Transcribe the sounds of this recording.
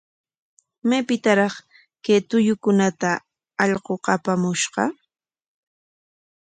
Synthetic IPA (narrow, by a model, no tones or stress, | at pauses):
majpɪt̪aɾɑχ | ket̪ʊjʊkʊnat̪a | ɑʎɢoqɑpamʊʃɢɑ̰